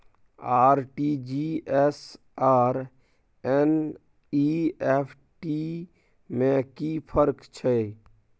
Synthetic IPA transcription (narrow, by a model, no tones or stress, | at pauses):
aːɾʈid͡ʒiɛs | aːɾ | ɛn | iepʰ | ʈi | mẽkipʰəɾkt͡ʃʰɛ